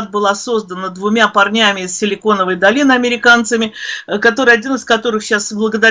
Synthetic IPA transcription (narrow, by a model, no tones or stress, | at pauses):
t̪̚bɨlˠaso̞zd̪ənəd̪vʊmʲapɐrnʲamʲɪɪsːʲɪlʲɪko̞nəvəjd̪ɐlʲinɨɐmʲɪɾʲɪkant̪səmʲɪkɐt̪o̞ɾɨjɐdʲinɨskɐt̪o̞ɾɨxɕasblˠəɡəd̪ɐ